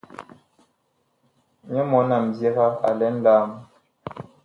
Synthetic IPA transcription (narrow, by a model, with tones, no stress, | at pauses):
ɲɛ˦mɔ˨˦na˨m̩˨bjɛ˦ɣa˦a̰˨lɛ˨˦n̩˦laː˦m˦